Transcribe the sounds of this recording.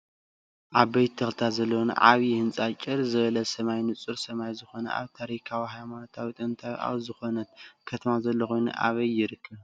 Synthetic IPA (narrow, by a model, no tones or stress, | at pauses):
ʔaβbɐjt̪t̪ʰɐxlt̪ʰazɐlːown̰ʕaβihɨnt͡sʼat͡ʃʼɨɾzɨβɐlɐsɐmajnɨt͡sʼɨɾsɐmajzɨxo̞nɐ̰ʔa̰βt̪ʰaɾikʰawiɦajmano̞t̪ʰawit̪ʼɨnt̪ʰaj̰ʔa̰βzɨxo̞nɐt̪kʰɐt̪ʰɐmazɐlːoxo̞jnṵʔa̰βɐjːɪɾɨkʰːɐβ